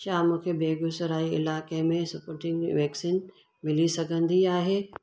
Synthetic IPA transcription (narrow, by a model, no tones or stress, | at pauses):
t͡ɕaːmũːkʰebeːɡʊsɾaːiɪ̰laːkemẽsɐpoːɾʈɪ̃ŋɡʋeːksin | mɪlisɐɡʱə̃nd̪iaːɦeː